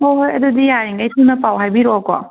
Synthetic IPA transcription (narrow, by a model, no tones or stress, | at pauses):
oɦojɐdudijaɾiŋɡajtʰɯnɐpawɦajbiɾɔkɔ̰